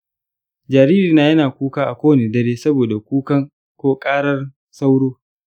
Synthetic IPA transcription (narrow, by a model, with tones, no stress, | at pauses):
d͡ʒaː˨ɾiː˦ɾiː˨naː˦jɐ˦naː˨kʷuː˦kaː˦ʔa˨kʷoː˦˨neː˨dɐ˦ɾeː˦sɐ˦boː˨da˨kʷuː˦kɐ˦ŋ | kʷoː˦kʼaː˦ɽɐ˦r | sa˦wɽoː˦